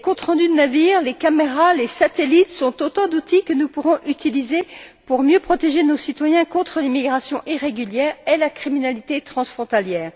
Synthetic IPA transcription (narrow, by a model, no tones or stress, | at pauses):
lekɔ̃t̪χɑ̃d̪yd̪ənaviːʁlekameʁalesat̪elit̪sɔ̃t̪ot̪ɑ̃d̪ut̪ikənupuʁɔ̃ʔyt̪ilizepuʁmjøpχɔt̪eʒenosit̪wajɛ̃kɔ̃t̪χəlimiɡʁasjɔ̃ʔiʁeɡʲyljɛːʁelakχiminalit̪et̪χɑ̃sfχɔ̃t̪aljɛːʁ